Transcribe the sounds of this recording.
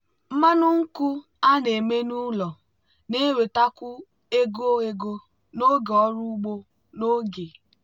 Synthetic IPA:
m̩˦ma˦nʊ˦ŋ̩˦ku˦ | a˦ne˨me˦nu˦lɔ˨ | ne˦we˨ta˦kʊ˦ | e˦ɡo˦ɣe˦ɡo˦ | no˦ɡɔ˦ɾu˦u˦ɡ͡bo˦ | no˦ɡe˨

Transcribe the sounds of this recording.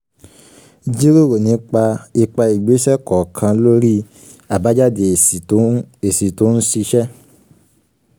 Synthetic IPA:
d͡ʒi˦ɾo˦˨ɾo˨nĩ˨˧˦k͡pa˧i˧k͡pa˧i˨ɡ͡be˨˦ʃɛ˦kɔ˨kʰã˧lo˦ɾi˦ | a˨ba˨˦d͡ʒa˦de˨˦e˨si˨to˨˦nu˦si˧ʃɛ˦

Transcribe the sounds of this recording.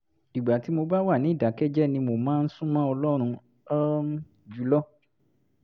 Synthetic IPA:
i˨ɡ͡ba˨ti˨˦mo˧ba˦wa˦˨nĩ˨˦˨da˨˦kɛ˦d͡ʒɛ˦nĩ˧mo˧mãː˦n̩˦sũ˦mã˦ɔ˧lɔ˦ɾ̃ũ˧ | ɔ˦ | d͡ʒu˦lɔ˦

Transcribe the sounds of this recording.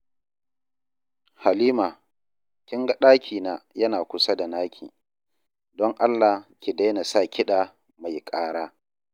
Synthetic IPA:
ha˨liː˦maː˨ | kʲɪ˦ŋɡa˦ɗaː˦kʲʰiː˨naː˨˦jɐ˦naː˨kʷʊ˦sa˦da˨naː˦kʲʰḭː˨ | dɔ˦ŋʔa˦lːaː˨kʲi˨da˦jna˨sa˦˨kʲɪ˦ɗa˨ | ma˨jkʼaː˦ɽaː˦

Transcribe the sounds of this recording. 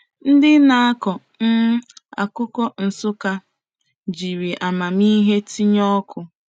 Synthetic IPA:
n̩˦dɪ˦na˨˦a˦kɔ˨ | m̩˦a̰˨kʊ˦kɔ˦n̩˨sʊ˦ka˦ | d͡ʒi˨ɾi˨ʔa˨ma˨mi˦ɦe˦ti˦ɲɔ˦kʰʊ˨

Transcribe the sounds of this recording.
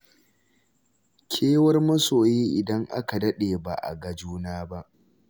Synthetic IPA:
kʲʰeː˦wɐ˦rmɐ˦soː˨jiː˦ʔɪ˨dɐ˦ŋʔa̰˦ka˨dɐ˦ɗeː˨ba˨ʔa̰˨ɡɐ˨d͡ʒuː˦naː˦ba˦ʔ

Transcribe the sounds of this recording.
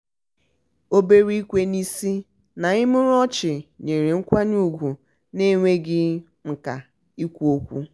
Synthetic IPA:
o˦be˦ɾi˦i˦kʷe˦ni˦si˦ | na˨ɪ˦mʊ˦ɾɔ˦t͡ʃɪ˨ɲe˨ɾe˨ŋ̩˦kʷa˦ɲu˦ɡʷu˨ | ne˦˨ŋʷe˦ɡɪ˦ | ŋ̩˨ka˨ | i˦kʷu˦o˦kʷṵ˦

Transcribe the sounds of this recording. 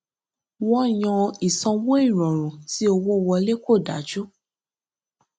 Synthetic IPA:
wɔ̃˦˨j̃ɔ̃˧i˨sɔ̃˧wo˦i˦˨ɾ̃ɔ̃˨ɾ̃ũ˨ti˦o˧wo˦˨˧wɔ˧le˦ko˦˨da̰˨˦d͡ʒu˦

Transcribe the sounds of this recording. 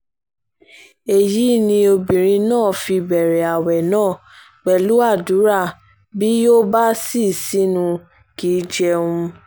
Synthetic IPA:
e˨ji˨˦nĩ˧o˧bĩ˨ɾ̃ĩ˧nãː˦˨fi˧bɛ˨ɾɛ˨a˨wɛ˨nãː˦˨ | k͡pɛ˨lu˦a˦˨du˨˦ɾa˦˨ | bi˦jo˦ba˦si˦˨si˦nũ˧ | ki˨˦d͡ʒɛ˧ũ˧

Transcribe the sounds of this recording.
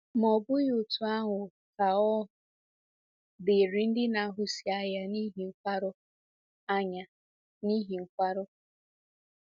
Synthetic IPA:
m˨ɔ˨bʊ˦jʊ˨tu˨a˦ŋʷʊ˨ | ka˨ɔ˦ | bɪ˨ɾi˨n̩˦dɪ˦na˨a˨ɦʊ˦si˨a˦ja˦ni˦ɦi˨ŋ̩˨kʷa˦ɾʊ˦ | a˦ɲa˨ | ni˦ɦi˨ŋ̩˨kʷa˦ɾʊ˦

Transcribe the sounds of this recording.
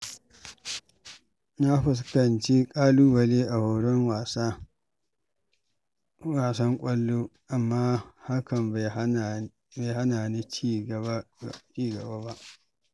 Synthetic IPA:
na˦ɸɪ˨s̬kɐ˨nt͡ʃi˦kʼaː˦luː˦wɐ˨leː˦ʔa˨ho˨ɽɔ˦ŋwa˨s | waː˨sɐ˦ŋkʷʼɐ˦lːoː˦ʔa˨mːaː˦ha˦kɐ˨m | be˨ɦa˦naː˨ni˦t͡ʃi˦ɡt͡ʃiː˦ɡɐ˨baː˦ba˦ʔ

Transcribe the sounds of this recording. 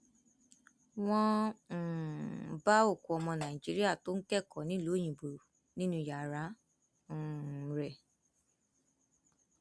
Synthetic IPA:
w̃ɔ̃˦˧˨ | ba˦o˦˨ko˨ɔ˧mɔ̃˧nã˨i˨d͡ʒi˨˦ɾi˦a˦˨to˦n̩˦kɛ˦˨kɔ˨˦nĩ˨˦lo˨˦j̃ĩ˨bo˨ɾo˨ | nĩ˦nũ˧˦ja˨ɾã˨˦˨ | ɾɛ˨

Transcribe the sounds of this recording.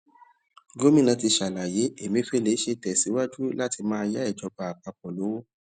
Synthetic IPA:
ɡo˦mĩ˦nã˧ti˧ʃa˨la˨je˨˦e˨mĩ˦fe˦le˨˦ʃe˧tɛ˨si˨˦wa˦d͡ʒu˦la˦ti˧mãː˦a˧ja˦ɛ˦˨d͡ʒɔ˧˦ba˨a˨k͡pa˧k͡pɔ̃˨lo˨˦wo˦

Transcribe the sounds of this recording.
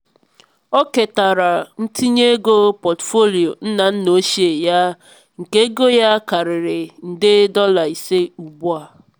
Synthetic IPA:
ɔ˦ke˨ta˨ɾa˨n̩˦ti˦ɲe˦ɡo˦pɔ˨tfo˦li˨o˨n̩˦na˨n̩˦no˦ʃi˦e˨ja˦ | ŋ̩˨ke˦ɡo˦ja˦ka˨ɾɪ˨ɾɪ˨n̩˨dɪ˦dɔ˦la˨i˨se˦u˨bu˦a˨

